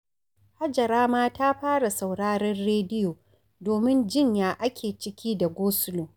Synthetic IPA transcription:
ha˦d͡ʒɐ˨ɾaː˦maː˦taː˦ɸaː˦ɽa˨sa˨wɽaː˦ɾɛ˦nɽeː˦dɪ˦joː˨ | doː˨mɪ˦nd͡ʒɪ˦˨ɲjaː˦ʔa˦kʲʰeː˨t͡ʃɪ˦kʲʰiː˦da˨ɡʷoː˦sʊ˦loː˨

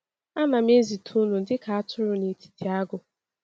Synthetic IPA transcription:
a˦na˨m˦e˦zi˨tʰu˦nu˨dɪ˦ka˨a˦tʊ˦ɾʊ˨ne˨ti̥˨tʰi˨a˦ɡʊ˨

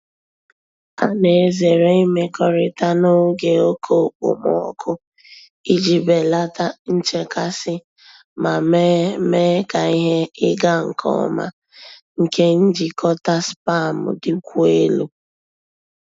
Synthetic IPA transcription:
a˦ne˨e˨ze˨ɾe˦i˦me˦kʰɔ˦ɾɪ˦ta˦no˦ɡe˨o˦kʰo˦˨k͡pʊ̰˨mɔ̰˨ɔ˦kʰʊ˦ | i˦d͡ʒi˨be˨la˦ta˦n̩˦t͡ʃe˦ka˦sɪ˦ | ma˨m˦me˦ka˨i˦ɦe˦ɪ˦ɡa˦ŋ̩˨kʰɔ̰˦˨ma̰˦ | ŋ̩˨ke˦n̩˦d͡ʒi˨kʰɔ˦ta˦spa˦˨mʊ̰˨dɪ˦kʷu˦e˦lu˦

